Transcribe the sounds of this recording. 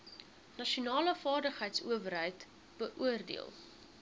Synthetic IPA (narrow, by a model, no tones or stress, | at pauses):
nɐʃiunɑːləfɑːrdəχəjtsṵəvərɦəjt | b̥əʔuərdḭə̰lˠ